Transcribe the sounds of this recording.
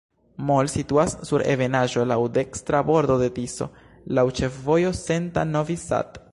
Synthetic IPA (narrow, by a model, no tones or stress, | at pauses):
molsituasːuɾʔe̞̰ve̞naʒo̞lawde̞kstɾabo̞ɾd̪o̞d̪e̞tiso̞̰ | lawt͡ʃe̞fvo̞jo̞se̞nta̰novisa̰t